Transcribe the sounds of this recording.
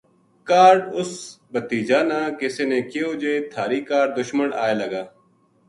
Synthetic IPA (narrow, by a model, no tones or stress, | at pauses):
kaːɾɖʊsbət̪iːd͡ʒaːnaːkɪseːnẽːkɪjoːd͡ʒeːt̪ʰaːɾiːkaːɖ̚d̪ʊʃməɳa̰ːeːləɡaː